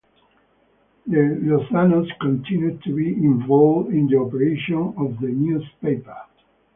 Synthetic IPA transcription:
d̪əlusanoskɔ̃nt̪ʰĩnjut̪ʰubiĩɱvɔlvdĩnd̪iɔpəɹeʃɔ̃nɔvd̪ənjuspeɪpə˞

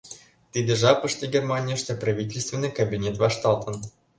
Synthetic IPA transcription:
t̪ɨd̪ʲəʐapəʂt̪ʲɪɡʲermanʲɪjəʂt̪ʲeprɐvʲitʲɪlʲst̪vʲɪnːɨjkɐbʲinʲet̪vaʂt̪ɑlˠt̪ən

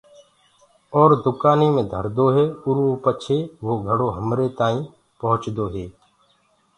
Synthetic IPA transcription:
ɔːɾd̪ʊkaːniːmẽːd̪ʱəɾd̪oːɦeːʊɾoːpət͡ʃʰeːʋoːɡʱəɽoːɦəmɾeːt̪aːĩː | pəɦʊt͡ʃd̪oːɦeː

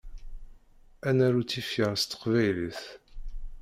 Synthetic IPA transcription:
ænæɾut͡sːifjəʁst̪ːə̥qvæjliθ

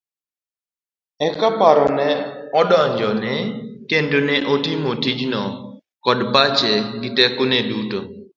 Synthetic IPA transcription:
ɛkapaɾɔnɛɔdɔɲd͡ʒɔnɛkendonɛʔotɪmotid͡ʒnɔ | kɔdpat͡ʃɛɡɪtɛkoneduto

